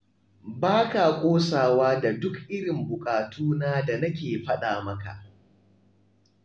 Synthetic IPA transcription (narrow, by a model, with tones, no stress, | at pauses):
baː˦ka˨kʷʼoː˦saː˨waː˦da˨dʊ˦kʔɪ˦ɽɪ˨mbʊ˨kʼaː˨tuː˦naː˦da˨nɐ˦kʲeː˨ɸɐ˦ɗaː˨mɐ˦ka̰˨ʔ